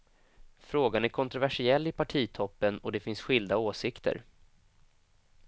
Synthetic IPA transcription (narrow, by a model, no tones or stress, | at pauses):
fɾoːɡanæɾkʰɔnt̪ɾʊvæʂɪɛlːɪpʰaʈʰiːt̪ʰɔpːənɔd̪ɛfɪnsɧɪld̪aoːsɪkt̪ʰə̰ɾ